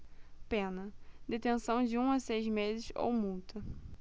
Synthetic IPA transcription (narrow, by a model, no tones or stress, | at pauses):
pẽnɐd̪et̪ẽsɐ̃w̃d͡ʒɪũasejzmezɪso̰wmuwt̪ɐ